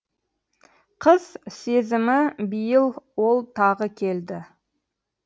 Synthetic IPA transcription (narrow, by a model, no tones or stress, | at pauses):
qʰəz̥se̞zɪmɪbijəlˠwo̞lˠt̪ʰɑʁəkʲʰe̞ld̪ɪ